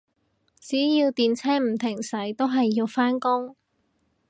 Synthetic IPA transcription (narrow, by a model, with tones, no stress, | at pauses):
t͡siː˨˥jiː˧wt̪iː˨nt͡sʰɛː˥m̩˨˩t̪ʰɪ˨˩ŋsɐ˨˥jt̪o˥wɦɐ˨jːiː˧wfaː˥nkʊ˥ŋ